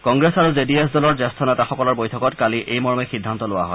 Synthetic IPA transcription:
kɔŋɡɹesaɹuzedies̬dɔlɔɹzɛstʰɔnɛtaxɔkɔlɔɹbojtʰɔkɔtkaliʔʔejmɔɹɔmɛxidʱːantɔlʊwa̰ɦɔ̰j

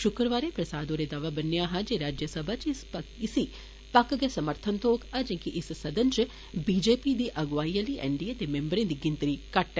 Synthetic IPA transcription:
ʃʊkɾəʋaːɾepɾɐsaːd̪oːɾed̪aːʋabənːjaɦãd͡ʒeɾaːd͡ʒjəsəbʱat͡ʃɪspɐɪsi | pɐkɡesɐməɾt̪ʰənt̪oːkɐd͡ʒẽkiʔɪssɐd̪ənt͡ʃ | biːd͡ʒeːpid̪iʔɐɡʋaːijəliʔɛ̰ɳɖijad̪emẽmbəɾẽd̪iɡɪ̃nt̪ɾikɐʈɛ

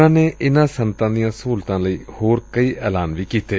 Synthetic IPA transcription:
ãːneːʔɪnãːsənt̪ãːd̪ijãːsuːlt̪ãːləiːhoːɾkəiːʔɛ̰ːlaːnʋiːkiːt̪eː

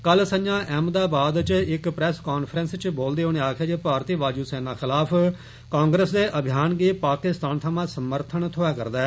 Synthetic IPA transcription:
kəlsəɲd͡ʒãːʔɛmd̪aːbaːd̪t͡ʃɪkpɾɛːskaːnpʰɾənst͡ʃboːld̪eːɦoːneːaːkʰeːd͡ʒeːpaːɾt̪iːʋaːd͡ʒuːseːnãːxɪlaːpʰ | kãːŋɡɾəsd̪eːʔəbʱjaːnɡiːpaːkɪst̪aːnt̪ʰamãːsəməɾt̪ʰəɳt̪ʰʊɛːkəɾd̪aː

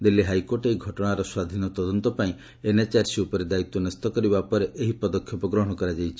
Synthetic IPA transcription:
d̪ilːiɦajkoɾʈeiɡʱɔʈɔɽ̃aɾɔswad̪ʱinɔt̪ɔd̪ɔnt̪ɔpaĩ | enat͡ʃaɾsiupɔɾed̪ait̪ːɔnɔst̪ɔkɔɾibapɔɾeʔeɦipɔd̪ɔkʰːjɔpɔɡɾɔɦɔɽ̃ɔkɔɾad͡ʒajt͡ʃʰi̥

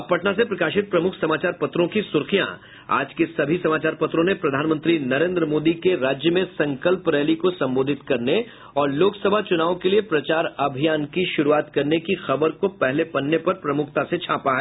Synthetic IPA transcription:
ɐpɐʈnasepɾɐkaːʃɪt̪̚pɾɐmʊkʰsɐmaːt͡ʃaːɾpɐt̪ɾõkisʊɾxijã̰ | a̰ːd͡ʒkesɐbʱisɐmaːt͡ʃaːɾpɐt̪ɾõnepɾɐd̪ʱaːnmə̃nt̪ɾinɐɾẽːnd̪ɾəmoːd̪ikeɾaːd͡ʒjəmẽsɐ̃ŋkəlpɾɛːlikosɐ̃mboːd̪ʱɪt̪kɐɾne | ɔːɾloːksɐbʱat͡ʃʊnaːʋõkeliepɾɐt͡ʃaːɾɐbʱijaːnkiʃʊɾuaːt̪kɐɾnekixɐbəɾkopɛɦlepɐnːepɐɾpɾɐmʊk̚ʰt̪aset͡ʃʰãːpaɦɛː

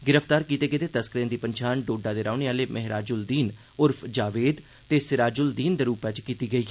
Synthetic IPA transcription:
ɡɪɾəpʰt̪aːɾkiːt̪eːkɪt̪eːt̪əskɾeːnd̪iːpəɲt͡ʃʰaːnɖoːɖaːd̪eːɾaːʊneːaːleːmʔɛɦɾaːd͡ʒʊld̪iːn | ʊɾpʰd͡ʒaːʋeːd̪ | t̪eːsɪɾaːd͡ʒʊld̪iːnd̪eːɾuːpɛːt͡ʃkiːt̪iːɡəiː

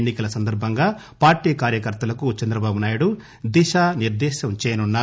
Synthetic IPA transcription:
nːikɐlɐsɐnd̪ɐɾbʱɐŋɡaː | paːɾʈiːkaːɾjɐkɐɾt̪ɐlɐkut͡ʃɐnd̪ɾɐbaːbunaːjuɽu | d̪iʃaːniɾd̪ɛːʃɐmt͡ʃɛːjɐnunːaː

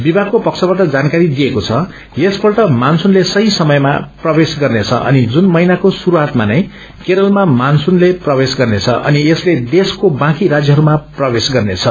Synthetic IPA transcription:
bibʱaɡkopʌksʰʌbʌʈʌd͡zankaɾid̪iekot͡sʰʌ | jesbʌrʈʌmansunlesʌɦĩsʌmʌjma̰prʌbesɡʌrnet͡sʰʌ̰ʔʌ̰nid͡zunmʌjnakosuɾuɦat̪manʌj̃ | keɾʌlmamansunleprʌbesɡʌrnet͡sʰʌ̰ʔʌ̰niesled̪eskobãkiɾad͡zjʌɦʌɾumaprʌbesɡʌrnet͡sʰʌ

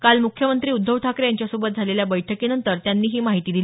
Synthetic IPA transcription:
kalmukʰjəmənt̪ɾiːud̪ʱːəʋʈʰakɾejaɲt͡ɕjasobət̪̚d͡zʱaleljabəjʈʰəkiːnənt̪əɾt̪janːiːɦiːmaɦit̪iːd̪ili

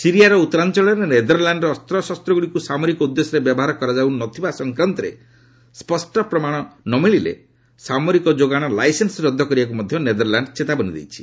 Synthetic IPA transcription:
siɾijaɾɔut̪ːɔɾant͡ʃɔɭɔɾened̪ɔɾlaɳɖɾɔːst̪ɾɔsɔst̪ɾɔɡuɭikusamɔɾikɔud̪ːesɔɾebjbɔɦaɾɔkɔɾad͡ʒawnɔt̪ʰibasɔŋkɾɔnt̪ɔɾḛ | spɔsʈɔpɾɔmaɽ̃ɔnɔmiɭilḛ | samɔɾikɔd͡ʒoɡaɽ̃ɔlajsensɔɾɔd̪ʱːɔkɔɾibak̬umɔd̪ʱjɔned̪ɔɾlaɳɖt͡ʃet̪abɔnid̪ḛjt͡ʃʰi̥

